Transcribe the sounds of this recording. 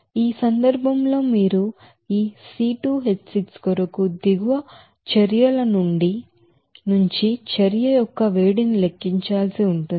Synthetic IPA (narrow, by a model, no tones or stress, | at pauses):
iːsɐnd̪ɐɾbʱɐmlo̞ːmiːɾu | iːsiːʈuːɦetsikskɔɾɐkud̪iɡuʋɐ | t͡ʃɐɾjɐlɐnuɳɖi | nuɲt͡ʃit͡ʃɐɾjɐjɔkːɐʋeːɽinilekːiɲt͡ʃaːlsiuɳʈun